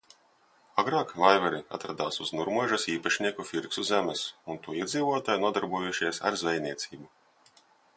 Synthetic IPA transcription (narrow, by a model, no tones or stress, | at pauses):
aɡɾɑːkvajvɛɾia̰t̪ɾad̪aːsuznuɾmuɔʒɐsiːpaʃnʲiɛkufiɾksuzʲæmɛsunt̪uɔiɛd̪ziːvuɔt̪aːjnuɔd̪aɾbujuʃiɛsa̰ɾzvɛjnʲiɛt̪sʲiːbu